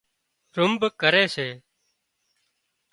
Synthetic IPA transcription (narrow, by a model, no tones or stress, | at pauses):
ɾʊmbkəɾeːseː